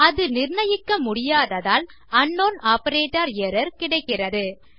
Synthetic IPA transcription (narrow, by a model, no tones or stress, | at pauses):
ɐðɯnɪɾɳɐjɪkːɐmʊɽɪjaːðɐðaːl | ɐɳːoːnaːpɐɾeːʈɐɾɛɾɐɾkɪɽɐɪkːɪrɐðɯ